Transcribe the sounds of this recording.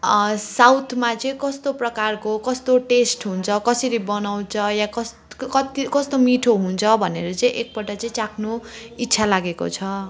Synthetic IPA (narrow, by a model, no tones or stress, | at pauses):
sawt̪ʰmat͡sʌĩkʌst̪oprʌkarkokʌst̪oʈesʈɦunt͡sʰʌkʌsʌɾibʌnaw̃t͡sʰʌjakʌs | kʌt̪ikʌst̪omiʈʰoɦunt͡sʰʌbʱʌnḛɾʌt͡sʌĩʔek̚pʌʈʌt͡sʌĩt͡sakʰnoitːsʰalaɡeko̰t͡sʰʌ